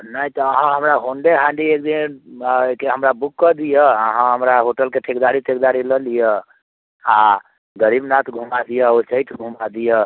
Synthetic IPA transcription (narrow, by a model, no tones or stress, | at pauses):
nəjt̪ɔːɦãɦəmɾaɦoɳɖeɦãɳɖiek̚d̪in | keɦəmɾabukːəd̪ijəəɦãɦəmɾaɦoʈəlkeʈʰikd̪aɾit̪ekd̪aɾiləlijə | a | ɡəɾibnat̪ʰɡʱumad̪ijəosəit̪ʰɡʱumad̪ijə